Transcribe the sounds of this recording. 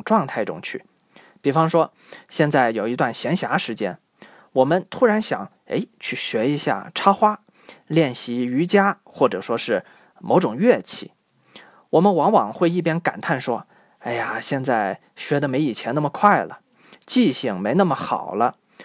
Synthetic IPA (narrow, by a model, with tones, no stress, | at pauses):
ŋʈ͡ʂwɑ˥˧ŋt̪ʰa˥˧ɪʈ͡ʂʊ̰˥ŋt͡ɕʰy̰˥˩ | pi˨˩fɑ˥ŋʂwɔ˥ | ɕjɛ˥˧nt͡sa˥˩ɪjo˨˩ʊi˧˥t̪̬wa˥˩nɕjɛ˧˥nɕja˧˥ʂɻ̩˧˥t͡ɕjɛ˥n | wɔ˨˩mə˦nt̪ʰu˥ɻa˧˥nɕjɑ̰˨˩˦ŋ | ḛ˧˥ɪt͡ɕʰy˥˩ɕɥɛ˧˥i˧˥ɕja̰˥˩ʈ͡ʂʰɑ˥xwa˥ | ljɛ˥˩nɕi˧˥y˧˥t͡ɕja˥xwɔ˥˩ʈ͡ʂɤ˨˩ʂwɔ˥ʂɻ̩˥˩ | mo˧˥ʈ͡ʂʊ˨˩ŋɥɛ˥˧t͡ɕʰḭ˧˩˦ | wɔ˨˩mə˦nwɑ˧˥ŋwɑ˨˩ŋxwe˥˧ɪi˥˩p̬jɛ˥nka̰˨˩nt̪ʰa˥˩nʂwɔ˥ | e˥˩ɪa˩ɕjɛ˥˧nt͡sa˥˩ɪ | ɕɥɛ˧˥d̪ə˧me˧˥ɪi˨˩t͡ɕʰjɛ˧˥na˥˩mə˩kʰwa˥˩ɪlə̰˩ | t͡ɕi˥˧ɕi˥˩ŋme˧˥ɪnə˥˩mə˩xɑ̰˨˩ʊlə˦